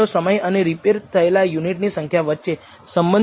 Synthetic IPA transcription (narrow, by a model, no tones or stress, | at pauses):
osəməjəneɾipeɾt̪ʰəelajuniʈnisə̃ŋkʰjaʋətːʃe | səmbən